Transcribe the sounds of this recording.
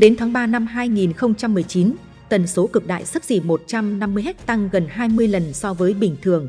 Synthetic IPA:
ɗe˨˦nt̪ʰaː˨˦ŋɓaː˧na˧mɦaː˧jŋi˨˩nxə˧wŋ͡mt͡ɕa˧mːɨ˨˩əjt͡ɕi˨˦n | t̪ə˨˩nso˨˦kɨ˨˩k̚ɗa̰ː˧˨jsa˦˥k̚zḭ˧˩mo˨˩t̚t͡ɕa˧mna˧mːɨ˧əjɦɛ˦˥t̚t̪a˧ŋɣə˨˩nɦaː˧jmɨ˧əjlə˨˩nsɔ˧vəː˨˦jɓï˧˩ŋ̟t̪ʰɨ˨˩əŋ

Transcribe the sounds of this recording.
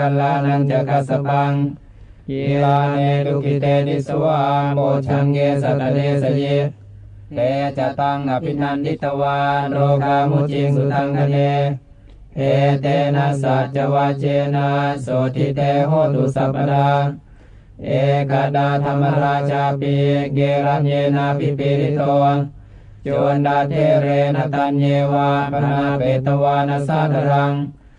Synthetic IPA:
a˧la˧na˧nt͡ɕa˧˨ka˧sa˧pa˧ŋ | ki˧aː˧neː˧du˧ki˧t̪ɛː˧di˧˥˩su˧a˧ŋbɔː˧˩t͡ɕʰa˧nkeː˧sa˨t̚ːa˧leː˧sa˧ji˧˩ | tɛː˧t͡ɕa˧t̪a˧ŋka˨˧˨pʰːi˧t̪ʰa˧ndi˦˥t̪ːa˧wa˧ɾoː˧kaː˧mu˧˥˨t͡ɕi˧ŋsu˨t̪a˧ŋkʰa˧neː˧ | ʔe˨˧t̪ɛ˧na˧saː˨˦˩t̪̚t͡ɕa˧waː˧t͡ɕenasod̪it̪eɦod̪usapəda | ekadat̪amənɾat͡ʃapiɡeɾand͡ʒenapipiɾit̪ɔn | t͡ʃondat̪eɾenat̪and͡ʒewaənapet̪əwanasad̪əɾaŋ

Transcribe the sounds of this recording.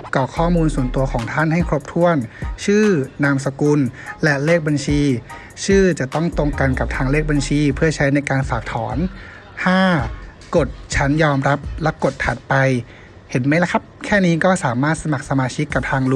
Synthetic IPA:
kɔː˨˩kʰɔː˥˩muː˧nsu˨˩ənt̪u˧ɐkʰɔː˩˦ŋt̪ʰa˥˩nha˥˩jkʰɾo˦˥p̚t̪ʰu˥˩ənt͡ɕʰɯː˥˩naː˧ms̬a˧ku˧nlɛ˦˥leː˥˩k̚ba˧nt͡ɕʰiː˧ | t͡ɕʰɯː˥˩t͡ɕa˨˩t̪ɔ˥˩ŋt̪o˧ŋka˧nka˨˩p̚t̪ʰaː˧ŋleː˥˩k̚ba˧nt͡ɕʰiː˧pʰɯ˥˩ɐt͡ɕʰa˦˥jna˧jkaː˧nfaː˨˩k̚t̪ʰɔː˩˦n | t̪ʰaː˥˩ | ko˨˩t̪̚t͡ɕʰa˦˥njɔː˧mɾa˦˥p̚lɛ˦˥wko˨˩t̪̚ʰːa˨˩t̪̚pa˧j | he˩˦nma˦˥jla˦˥kʰa˦˥p̚kʰɛː˥˩niː˦˥kɔː˥˩saː˩˦maː˥˩t̪̚sa˧ma˨˩k̚sa˧maː˧t͡ɕʰi˦˥kːa˨˩p̚t̪ʰaː˧ŋlu˦

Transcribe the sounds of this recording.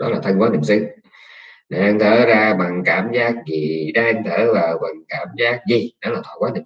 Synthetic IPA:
ɗɔ˨˦laː˨˩t̪ʰə˧ŋkwaː˨˦nḭ˨˩sɨ˧ | ɗa˨˩ʔa˧ŋ̟t̪ʰəː˧˩zaː˧ɓa˨˩ŋkaː˧˩mzaː˦˥k̚ɣi˨˩ɗa˧ʔŋ̟t̪ʰəː˧˩vaː˨˩wɓa˨˩ŋkaː˧˩mzaː˦˥k̚zi˧˩ɗɔ˨˦laː˨˩t̪ʰwa̰ː˧˨˩kwaː˦ni˨˩

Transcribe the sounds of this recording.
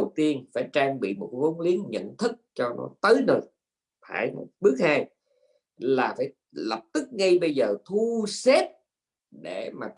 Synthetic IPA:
wt̪i˧ənfaː˧˩jt͡ɕaː˧ŋɓḭ˧˨mo˨˩t̚və˨˦nli˨˦ənɲə̰˧˨nt̪ʰɨ˦˥k̚t͡ɕɔ˧nɔ̰˨˦t̪əː˨˦jnəː˨˩j | fʰaː˧˩jm̚˨˩ɓɨ˦˥ək̚haː˧j | laː˨˩faː˧˩j | lə˨˩p̚t̪ɨ˦˥k̚ŋə˧jɓə˧jzəː˨˩t̪ʰu˧se˦˥p̚ | ɗe˧˩maː˨˩

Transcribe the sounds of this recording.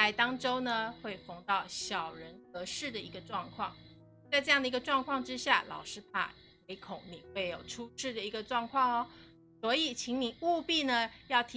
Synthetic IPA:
a˧˥ɪt̪ɑ˥ŋʈ͡ʂo˥ʊnə˨xwe˥˩ɪfo˧˥ŋt̪ɑ˥˩ʊɕjɑ˨˩ʊɻə˧˥nxɤ˧˥ʂɻ̩˥˩d̪ə˩i˧˥ɡə˧ʈ͡ʂwɑ˥˧ŋkʰwɑ̰˥˩ŋ | t͡sɪʈ͡ʂɤ˥˧jɑ˥˩ŋd̪ə˩i˧˥ɡə˧ʈ͡ʂwɑ˥˧ŋkʰwɑ˥˧ŋʈ͡ʂɻ̩˥ɕja̰˥˩lɑ̰˨˩ʊʂɻ̩˥pʰa̰˥˩ | we˧˥ɪkʰo˨˩˦ʊni˨˩xwe˥˩ɪjo˨˩ʊʈ͡ʂʰu˥ʂɻ̩˥˩d̪ə˩i˧˥ɡə˧ʈ͡ʂwɑ˥˧ŋkʰwɑ˥˧ŋɔ˨˩ | swɔ˧˥i˨˩t͡ɕʰi˧˥ŋni˨˩u˥˧pi˥˩nə˩jɑ˥˩ʊt̪ʰ

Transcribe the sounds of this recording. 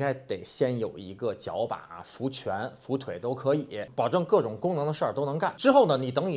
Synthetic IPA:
ka˥ɪt̪e˨˩ɪɕjɛ˥˩njo˨˩ʊḭ˧˥ɡə˧t͡ɕjɑ̰˧˥ʊpa̰˨˩˦fu˧˥t͡ɕʰɥɛ˧˥nfu˧˥t̪ʰwe˨˩ɪt̪o˥ʊkʰɤ˧˥i˨˩˥pɑ˨˩ʊʈ͡ʂɤ˥˧ŋkɤ˥˩ʈ͡ʂʊ˨˩ŋkʊ˥ŋnɤ˧˥ŋd̪ə˧ʂə˥˩t̪o˥ʊn˧˥ŋka˥˩nʈ͡ʂɻ̩˥xo˥˩ʊnə˩ni˨˩t̪ɤ˧˥ŋi˨˩

